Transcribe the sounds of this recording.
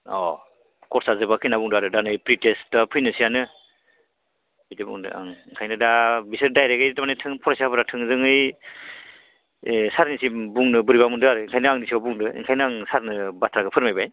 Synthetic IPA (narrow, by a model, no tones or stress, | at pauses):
ɔ̰ | kɔɾsazɯbakʰinabuŋdɯaɾɯdanɯjpɾitesdapʰɯjnɯsijanɯ | bitibṵŋdɯ̰a̰ŋŋkʰajnɯdabisɯɾdajɾeɡejdamanejtʰɯŋpʰɔɾasabɯɾatʰɯŋzɯŋɯj | saɾnisimbuŋnɯbɯɾibamundɯaɾɯiŋkʰajnɯaŋdisiawbuŋdɯḭŋkʰajnɯaŋsaɾnɯbatʰɾaɡɯpʰɯɾmajbajn